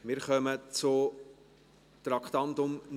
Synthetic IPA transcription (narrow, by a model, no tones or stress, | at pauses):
mɪɾχœmət͡sʊ | t̪ɾɑkʰt̪ɑnt̪ʊmn